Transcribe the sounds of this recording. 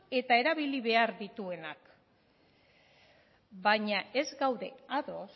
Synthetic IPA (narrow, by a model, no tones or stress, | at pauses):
e̞t̪ae̞ɾaβ̞iliβ̞e̞aɾðit̪ue̞nak | baɲae̞zɡawðe̞aðo̞s